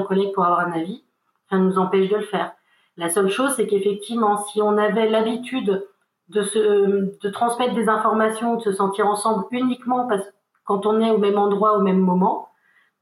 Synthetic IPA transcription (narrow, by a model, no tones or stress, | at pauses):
kɔlɛɡ̚puʁavwaʁɛ̃navi | sanuzɑ̃pɛʃd̪ələfɛːʁ | lasœlʃozsɛkefɛk̚t̪ʰivmɑ̃siɔ̃navɛlabit̪ʰyd̪ | d̪əsəd̪̥ət̪χɑ̃smɛt̪χd̪ezɛ̃fɔʁmasjɔ̃ud̪əsəsɑ̃t̪iʁɑ̃sɑ̃blynikmɑ̃pas | kɑ̃t̪ɔ̃nɛomɛmɑ̃d̪ʁwaomɛmːɔmɑ̃